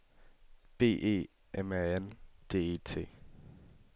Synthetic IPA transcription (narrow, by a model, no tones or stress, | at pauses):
b̥e̝̰ːʔe̝̰ː | ʔemæend̥e̝̰ːe̝̰t͡sʰe̝̰ː